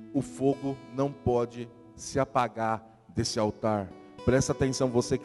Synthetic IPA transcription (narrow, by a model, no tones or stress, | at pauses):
ʊfoɡʊnɐ̃w̃pɔd͡ʒɪ | sɪapaɡaɾ | d̪esɪawt̪aɾ | pɾɛst̪ɐat̪ẽsɐ̃w̃vosek